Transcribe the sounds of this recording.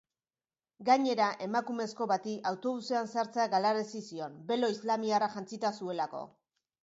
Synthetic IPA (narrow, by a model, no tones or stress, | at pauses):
ɡaɲe̞ɾaʔe̞makume̞sko̞βat̪iʔawt̪o̞βuseansaɾt͡seaɡalaɾesisio̞mbe̞lo̞izlamiaraʝant͡sit̪asue̞lako̞̰